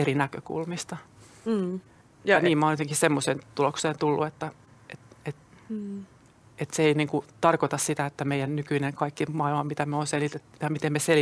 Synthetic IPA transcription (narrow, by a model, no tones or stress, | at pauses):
erinækøkṵlmist̪ɑ | niːmmɑoneot̪eŋkissemːoseːnt̪ulokseːnt̪ulːṵet̪ːæ | et̪et̪ | et̪seeiniːŋkut̪ɑrkot̪ɑssit̪æet̪ːæmeijænnykyineŋkɑikːimɑilmɑmit̪æmeonselit̪et̪ːujɑmit̪emːmesel